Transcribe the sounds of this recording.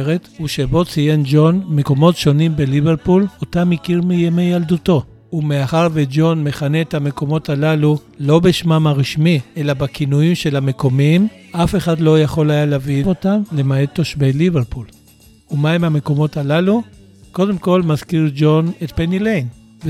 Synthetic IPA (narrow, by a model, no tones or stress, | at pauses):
ʁetuʃe̞bo̞t͡sije̞nd͡ʒo̞nmeko̞mo̞tʃo̞nimbeliveʁpulotamikiʁmijemejalduto̞ | umeaχaʁved͡ʒo̞nme̞χane̞ːthame̞ko̞mo̞talalu | lo̞beʃmamaʁiʃmielabakinuimʃe̞lame̞ko̞mim | ʔafe̞χadlo̞jaχo̞lajaleaviotamlemaeto̞ʃbeliveʁpul | umaemameko̞mo̞talalu | ko̞de̞mko̞lmazkiʁd͡ʒo̞ne̞t̚penilejn | v